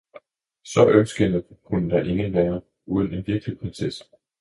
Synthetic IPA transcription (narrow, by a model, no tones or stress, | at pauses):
sɒ̽ʔønsɡ̥ənəkʰunəd̥ɑ̈ʔe̝ŋənʋæːɐ | ʔuːð̞ˠəne̝nʋiɐɡ̥əlipʰʁɛnses